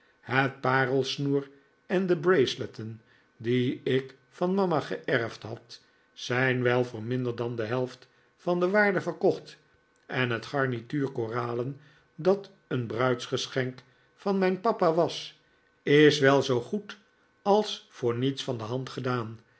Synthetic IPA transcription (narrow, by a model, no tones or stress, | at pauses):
hət̚paːrəlˠsnuːr | ɛndəbrejslətən | diɪk | fɑnmɑmaχə̰ʔɛɹftɦɑt | sɛjnʋɛlˠvʊːɹmɪndəɹdɑndəɦɛlˠft | fɑndəʋaːɹdəvəʁkɔχt | ɛnɦətχɑɹnityːɹkoːraːlən | dɑt | ənbrœɥtsχəsχɛŋk | fɑnmɛjnpɑpaʋɑs | ɪsʋɛlˠzowχut | ɑlˠsfʊːɹnitsfɑndəɦɑntχədaːn